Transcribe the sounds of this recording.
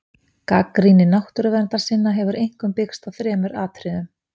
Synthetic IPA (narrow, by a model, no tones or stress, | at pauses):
kakɾinɪnawht̪ʏɾʏvɛɾnt̪ḁsɪnːaɦɛvʏɾʔejŋ̥kʏmpɪkst̪aθɾɛːmʏɾaːt̪ʰɾɪðʏm